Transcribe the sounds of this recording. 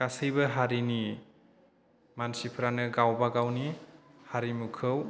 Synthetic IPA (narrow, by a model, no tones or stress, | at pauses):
kasɯjbɯɦaɾini | mansipʰɾanɯɡawbaɡawnihaɾimukʰɯw